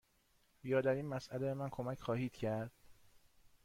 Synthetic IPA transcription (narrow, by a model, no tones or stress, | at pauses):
jɒːd̪æɾiːnmæsʔælebemænkʰo̞mæcʰxɒːhiːd̪̥cʰæɾd̪̥